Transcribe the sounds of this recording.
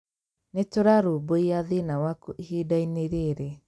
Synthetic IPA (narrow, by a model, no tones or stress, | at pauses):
netoɾaɾoboiaðinawakuʔihidaineɾeɾɛ